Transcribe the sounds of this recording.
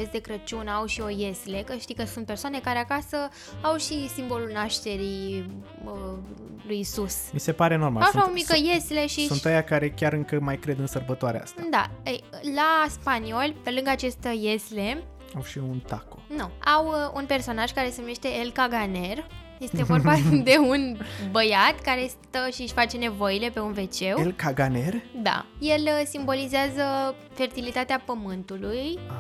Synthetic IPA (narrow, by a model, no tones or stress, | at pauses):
esd̪e̞kɾət͡ʃunəawʃio̞je̞sle̞kəʃt̪ijkəsunt̪̚persoane̞kaɾe̞akasə | awʃisimbo̞lulnaʃt̪e̞ɾi | ə | lujsusmise̞paɾeno̞rma̰laaomikəjesleʃiunt̪ajakaɾe̞kʲaɾɨŋkəmajkɾe̞d̪ɨnsərbət̪oaɾḛa̰st̪ad̪aəjlaspanio̞lʲpe̞lɨŋɡəat͡ʃe̞st̪əje̞sle | awʃiunt̪ako̥nuawunpe̞rso̞naʒ̥kaɾe̞se̞nume̞ʃt̪e̞ːlkaɡane̞rje̞st̪e̞vo̞rbad̪e̞unbəjat̪kaɾe̞st̪əʃiʃʲfat͡ʃe̞ne̞vo̞jile̞pe̞unve̞t͡ʃe̞welkaɡanerd̪a̰je̞lsimbo̞lizeazə | fe̞rt̪ilit̪at̪eapəmɨnt̪uluja